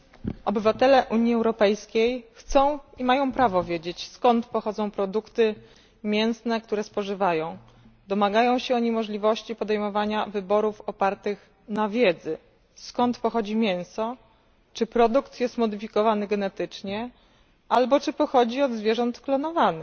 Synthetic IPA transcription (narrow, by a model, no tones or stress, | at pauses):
ɔbɘvat̪ɛlɛʔuɲiɛwɾɔpɛjskʲejxt̪sɔ̃w̃imajɔ̃w̃pɾavɔvʲjed͡ʑet͡ɕskɔnt̪pɔxɔd̪zɔ̃w̃pɾɔd̪ukt̪ɘ | mʲjɛñsnɛk̚t̪uɾɛspɔʐɘvajɔ̃w̃ | d̪ɔmaɡajɔ̃w̃ɕɛɔɲimɔʐlʲivɔɕt͡ɕipɔd̪ɛjmɔvaɲavɘbɔɾufɔpaɾt̪ɘx | navʲjɛd̪zɘ | skɔnt̪pɔxɔd͡ʑimʲjɛ̃ñsɔ | t͡ʂɘpɾɔd̪ukt̪jɛst̪mɔd̪ɘfʲikɔvanɘɡɛnɛt̪ɘt͡ʂɲɛ | ʔalbɔt͡ʂɘpɔxɔd͡ʑiɔd̪zvʲjɛʐɔnt̪klɔnɔvanɘ